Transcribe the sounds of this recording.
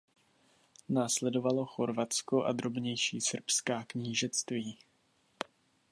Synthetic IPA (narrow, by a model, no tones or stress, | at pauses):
naːslɛdo̞valo̞xo̞ɾvat͡skoʔa̰d̪ɾo̞bɲɛjʃiːsr̩pskaːkɲiːʒɛt͡st̪viː